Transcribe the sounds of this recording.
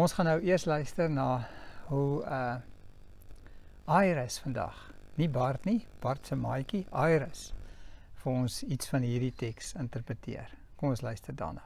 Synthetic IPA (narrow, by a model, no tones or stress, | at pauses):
ɔ̃nsχɑnːəwiərslœɥstərnɑːɦuə | ɑjɾəsfəndɐ̰χnibɐrtnib̥ɐrtsəmɑjkiʔɑjɾəs | fəɔnsitsfɐnɦiːrditɛksəntərpɾətḭər | kɔmɔnslœɥstərdɑ̰ːnɑ̰ː